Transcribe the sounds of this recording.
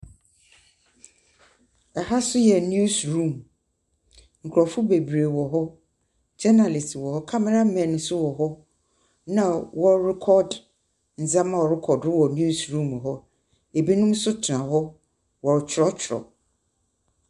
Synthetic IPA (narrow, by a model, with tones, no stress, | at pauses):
ɛ˨ha˦sʊ˦jɛ˨n˦u˦sɾũ˦˨m | ŋ̩˨kʰʊ˨ɾɔ˨fʊ˦be˨bɾe˨wɔ˨ɦɔ˦ | d͡ʑɛ˦na˨lɪ˨swɔ˨hɔ˦kʰa˦mɛ˨ɾa˦mɛ̃˨n˨˦sʊ˦wɔ˨ɦɔ˦ | nã˨wɔ˦ɾɛ˦kʰɔ˦d | n̩˨zã˦mã˨wɔ˨ɾɪ˦kʰɔ˨dʊ˦wɔ˨n˦u˦sɾũ˦˨m˨ɦɔ˦ | e˨bi˦nʊ̃˦m˦sʊ˦tʰɪ˨nã˨ɦɔ˦ | wɔ˨t͡ɕʰɾɔ˦t͡ɕʰɪ˨ɾɔ̰˨